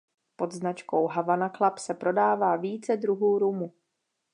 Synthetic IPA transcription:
po̞d̪znat͡ʃkowɦavanaklapsɛpɾo̞daːvaːviːt͡sɛdɾuɦuːɾumu

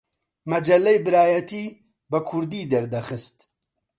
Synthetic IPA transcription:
mɐd͡ʒɐlːɛjbɨɾaːjɐt̪ʰiː | bɐkʰʊɾd̪iːd̪ɐɾd̪ɐxɨst̪

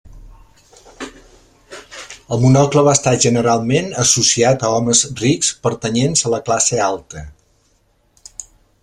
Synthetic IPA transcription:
əlˠmunɔkləβast̪aʒənəɾalˠmenəsusiat̪əɔməzrikspəɾt̪ənenzələklasealˠt̪ə

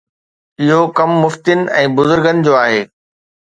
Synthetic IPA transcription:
ɪɦokɐmːʊft̪ɪnɪ̆ɛ̃ːbʊzʊɾɡənɪ̆d͡ʑoːaːɦeː

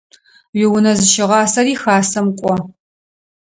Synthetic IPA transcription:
ɥɪwʊnɐzɨʃɪʁɑːsɐriːxaːsɐmkʷʼɔ

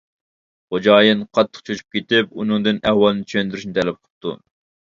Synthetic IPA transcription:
χod͡ʒɑːjɨnqʰɑt̪ʰːə̥qt͡ʃʰot͡ʃʰy̥p̚kʲet̪ɪp̚unɨŋd̪ɨnɛhwɑlˠɨnɨt͡ʃʰønd̪yɾyʃnɪt̪ʰɛlɛp̚qʰə̥p̚t̪ʰṵ

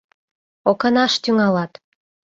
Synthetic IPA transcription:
okɑnɑʃt̪yŋɑlɑt̪

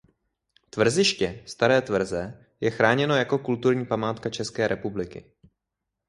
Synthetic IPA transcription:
t̪vr̩zɪʃcɛst̪aɾɛːt̪vr̩zɛ | jɛxɾaːɲɛno̞jako̞kult̪uɾɲiːpamaːt̪kat͡ʃɛskɛːɾɛpublɪkɪ̰

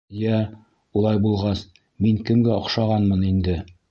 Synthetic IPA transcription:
jæ | ulˠɑjbulˠʁɑs | miŋkɵ̆mɡæŏχʃɑʁɑnmɤnind̪ɘ

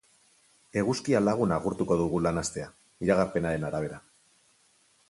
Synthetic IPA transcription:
e̞ɣuskialaɣ̞unaɣuɾt̪uko̞ðuɣ̞ulanast̪e̞a | iɾaɣaɾpe̞naɾe̞naɾaβ̞e̞ɾa

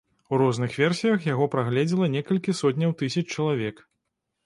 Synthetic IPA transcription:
uɾɔznɨxvʲɛrsʲijɐxjaɣɔpɾaɣlʲɛd͡zʲilˠɐnʲɛkɐlʲkʲisɔt̪ʲnʲɐwt̪ɨsʲɐt͡ʃt͡ʂɐlˠavʲɛk

